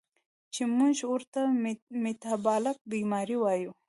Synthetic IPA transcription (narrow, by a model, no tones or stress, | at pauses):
t͡ʃemuʒʊɾt̪amit̪ɑbɑlak̚bimɑɾiwɑju